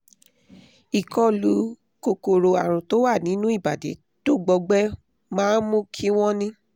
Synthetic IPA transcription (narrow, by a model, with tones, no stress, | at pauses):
i˨kɔ˦lu˨˦ | ko˧ko˨ɾo˨˧a˨ɾ̃ũ˨to˦wa˦˨nĩ˨˦nũ˦i˦˨ba˨dḛ˨˦ | to˦˨ɡ͡bɔ˧ɡ͡bɛ˦ | mãː˦n̩˦mũ˦kʰi˦w̃ɔ̃˦nĩ˦